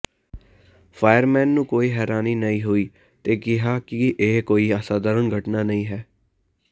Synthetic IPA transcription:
pʰaːjəɾmɛːnːũːkoːiːɦɛːɾaːniːnəĩːɦoiː | t̪eːkɪɦaːkɪʔeːkoːiːəsaːd̪əːɾənɡʱəʈnaːnəĩːɦɛː

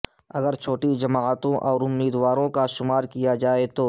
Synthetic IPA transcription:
ɐɡəɾt͡ʃʰoːʈid͡ʒɐmaːt̪õʔɔːɾʊmːiːd̪waːɾõkaʃʊmaːɾkijad͡ʒaːet̪oː

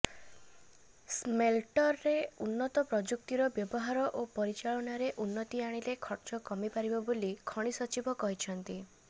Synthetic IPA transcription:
smelʈɔɾːeunːɔt̪ɔpɾɔd͡ʒuk̚t̪iɾɔbjɔbɔɦaɾɔʔopɔɾit͡ʃaɭɔɽ̃aɾeʔunːɔt̪iaɽ̃ilekʰɔɾt͡ʃɔkɔmipaɾibɔbolikʰɔɽ̃isɔt͡ʃibɔkɔɦit͡ʃʰɔnt̪i

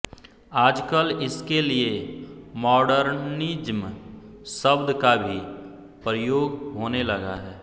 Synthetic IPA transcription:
aːd͡ʒkəlɪskeliemɔːɖəɾnnid͡ʒm | səbd̪kabʱi | pɾəjoːɡɦoːnelɐɡa̰ɦɛː

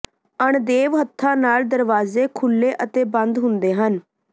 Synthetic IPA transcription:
əɳd̪eːʋɦət̪ʰːãːnaːld̪əɾʋaːzeːkʰʊlːeːʔət̪eːbənd̪ɦʊnd̪eːɦən

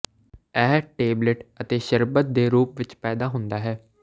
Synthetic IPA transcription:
ɛːɦʈeːbləʈət̪eːʃəɾbət̪̚d̪eːɾuːpʋɪt͡ʃpɛːd̪aːɦʊ̃nd̪aːɦɛː

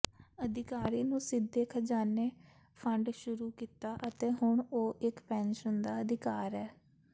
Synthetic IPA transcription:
əd̪ɪkaːɾiːnũːsɪd̪ːeːkʰəd͡ʒaːneː | pʰəɳɖʃʊɾuːkiːt̪aːʔət̪eːɦʊɳoːʔɪkpɛ̃ːnʃənd̪aːəd̪ɪkaːɾɛː

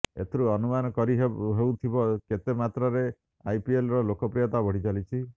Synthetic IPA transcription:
ḛt̪ʰɾuɔnumanɔkɔɾiɦeɦewt̪ʰibɔket̪emat̪ɾɔɾe | ajpielɾɔlokɔpɾijɔt̪abɔɽ̤id͡ʒalit͡ʃʰi

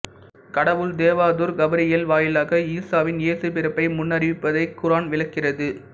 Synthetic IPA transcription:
kɐɽɐʋɯld̪eːʋaːðuːɾɡɐbɐɾɪjɐlʋaːjɪlaːɣɐiːsaːʋɪneːsɯpɪɾɯpːɐɪmʊnːɐɾɪʋɪpːɐðɐɪkːʊɾaːnʋɪɭɐkːɪrɐðɯ

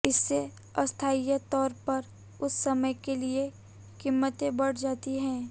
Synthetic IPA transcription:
ɪsːe | ɐst̪ʰaːijat̪ɔːɾpɐɾ | ʊsːɐməjkelie | kimːət̪ẽbɐɽ̤d͡ʒaːt̪iɦɛ̃ː

